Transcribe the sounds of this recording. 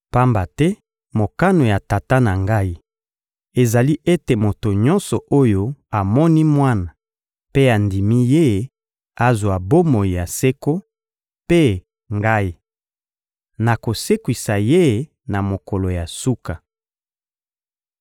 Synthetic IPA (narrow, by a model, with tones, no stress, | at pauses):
pa˦mba˨tɛ˦ | mo˨ka˦no˨ja˨ta˨ta˦na˨ŋɡa˦i˦ | e˨za˨li˦ʔe˦te˨mo˨to˨ɲɔ̃˦nsɔ˨ʔo˦jo˦a˨mɔ˦ni˦mwa˦na˨ | pe˦a˨ndi˨mi˦je˦ | a˦zwa˨bo˦mo˨i˨ja˨se˦ko˦ | pe˦ | ŋɡa˦i˦ | na˨ko˨se˦kwi˨sa˨je˦ | na˨mo˨kɔ˨lo˨ja˨su˦ka˨